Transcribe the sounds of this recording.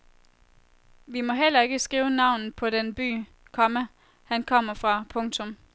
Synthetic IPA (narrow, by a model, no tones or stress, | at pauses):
ʋimɒ̽ɦel̰ɐe̝ɡ̥əsɡ̥iːʊənɑ̈ʊnn̩pʰɒ̽denb̥y̰ː | kʰɒ̽mə | hænkʰɒ̽m̰ɐfʁɑ̈pʰɔ̽ŋt͡sʰɔm